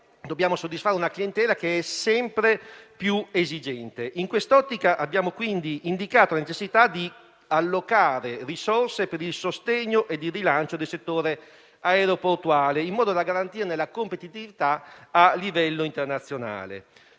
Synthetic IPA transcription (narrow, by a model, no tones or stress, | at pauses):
d̪objaːmosod̪ːisfaɾeunaklient̪ɛːlakeɛsɛmpɾepjuezid͡ʒɛnt̪eʔiŋkwest̪ɔt̪ːikaʔabːjaːmokwind̪iʔːnd̪ikaːt̪olanet͡ʃesːit̪ad̪i | alːokaːɾerisorsepeɾilsost̪eɲːoʔed̪ːirilant͡ʃod̪elset̪ːoːɾe | aeɾoport̪uaːleimːɔːd̪od̪aɡaɾant̪iːɾnelakompet̪it̪ivit̪aalːivɛlːoint̪ernat̪sːjona̰ːlḛ